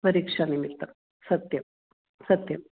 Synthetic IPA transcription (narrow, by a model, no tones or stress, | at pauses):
pəɾikʂanimilt̪a | sət̪jəm | sət̪jəm